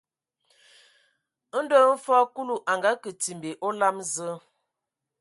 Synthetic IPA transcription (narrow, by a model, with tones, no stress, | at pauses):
n̩˦də˦m̩˦fɔ˦ku˦lu˨ʔa˨ŋɡa˦kə˨ti˨mbe˨ʔɔ˦la˦mzə˦